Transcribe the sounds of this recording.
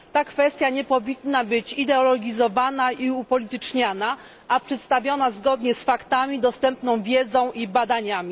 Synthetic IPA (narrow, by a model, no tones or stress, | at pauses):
t̪akfɛst̪ʲjaɲɛpɔvʲinːabɘt͡ɕid̪ɛɔlɔɡʲizɔvanaiupɔlʲit̪ɘt͡ʂɲana | ʔapʂɛt̪st̪avʲjɔnazɡɔd̪ɲɛsfakt̪amʲid̪ɔst̪ɛmpnɔ̃w̃vʲjɛd̪zɔ̃w̃ʔibad̪aɲamʲi